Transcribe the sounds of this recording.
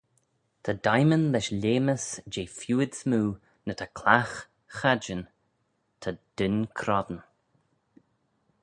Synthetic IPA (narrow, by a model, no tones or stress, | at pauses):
t̪ʰədajmənlɛʃlʲeːməsd͡ʒeːfjuːɪd̪smuː | nət̪ʰəkʰlax | xad͡ʒən | t̪ʰəd̪̥ɪnkʰɾɔd̪n